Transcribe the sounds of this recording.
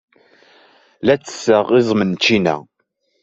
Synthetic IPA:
læt͡sːə̥səʁɪzˤmənt͡ʃːinæ̰

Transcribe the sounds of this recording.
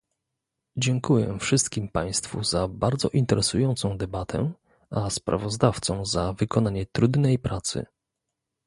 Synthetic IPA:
d͡ʑɛŋkujɛ̰fʂɘst̪kʲimpaj̃st̪fuzabaɾd̪zɔ̰ʔint̪ɛɾɛsujɔnt̪sɔ̃w̃d̪ɛbat̪ʰɛ̰ | ʔaspɾa̰vɔzd̪aft̪sɔ̃w̃zavɘkɔnaɲɛt̪ɾud̪nɛjpɾat̪sɘ̰

